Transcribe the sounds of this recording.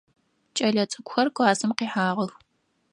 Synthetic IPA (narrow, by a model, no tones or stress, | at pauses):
t͡ʃʼɐɮɐt͡sʼɨkʷʊxɐrkʷʼaːsɨmqiːħaːʁəx